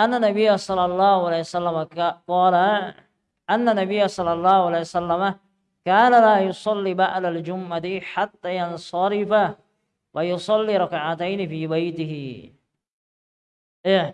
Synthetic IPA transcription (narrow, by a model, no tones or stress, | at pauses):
ʔanːanːabɪjːasˤɑlːɑlˤːɑːhualaːhsalːamaqɑːla | ʔanːanːabɪjːasˤɑlːɑlˤːɑːhualasalːama | kaːnalaːjʊsˤɑlːiːbaʕlald͡ʒʊmːat̪ɪħat̪ːaːjɑnsˤɑɾɪfa | wajʊsˤɑlːiːɾˤɑkaʕat̪ajnɪfiːbajt̪ɪɦɪ | ja